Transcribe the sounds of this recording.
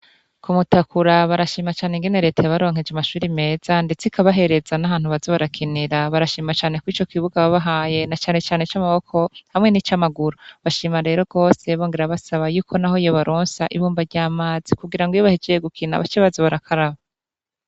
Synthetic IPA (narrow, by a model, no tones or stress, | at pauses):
kumutakuɾaβaɾaʃiːmat͡ʃaːneŋɡene̞ɾe̞tʰajaβaɾo̞ːŋ̥ed͡ʒamaʃuːɾime̞ːz̥ande̞t͡sikaβaɦe̞ɾe̞zanahaːn̥uβazoβaɾakʰiniɾaβaɾaʃiːmat͡ʃaːne̞kwiːt͡ʃo̞kiβuɡaβaβaɦaːje̞nat͡ʃaːne̞t͡ʃaːnet͡ʃamaβo̞kʰo̞hamŋe̞nit͡ʃamaɡuɾoβaʃiːmaɾe̞ːɾo̞ɡ̥o̞ːse̞βo̞ːŋɡeɾaβasaβajuːkʰo̞naɦo̞ijoβaɾʔoːnsaʔiβuːmbaɟaːmaːz̥ikuɡiɾaŋɡujoβahed͡ʒejeɡukʰina̰βat͡ʃeβazoβaɾakʰaɾaβa